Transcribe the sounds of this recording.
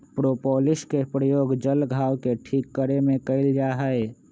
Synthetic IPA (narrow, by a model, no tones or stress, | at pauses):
pɾopɔːlɪskepɾəjoːɡd͡ʒəlɡʱaːwkeʈʰiːkːəɾemẽkəɪld͡ʒaːɦəe